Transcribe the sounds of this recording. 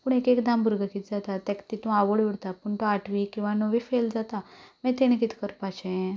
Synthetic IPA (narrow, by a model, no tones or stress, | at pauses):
puɳ̃ekekd̪ãmbʱuɾɡʱəkit̪d͡zat̪at̪ɛkt̪it̪ũaʋəɭʋoɽt̪apuɳt̪oaʈʋikĩw̃ʋanəʋifeld͡zat̪amɛt̪eɽ̃ĩkit̪ʰi̥kəɾpat͡ɕẽ